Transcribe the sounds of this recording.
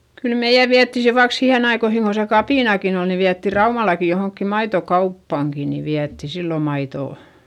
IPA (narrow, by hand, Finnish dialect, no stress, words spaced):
kyl meij̆æ ʋiætːi se ʋɑik sihen ɑikoihiŋ ko se kɑpiˑnɑkin ol ni ʋiætːi rɑumɑlɑki johoŋkːi mɑitokɑupːɑˑŋki ni ʋiætːi silːo mɑitoˑ